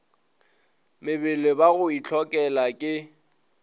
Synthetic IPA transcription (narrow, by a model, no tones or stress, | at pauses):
mɪbɪlɪbaɣʊit͡ɬʰɔkʼɛlakʼɪ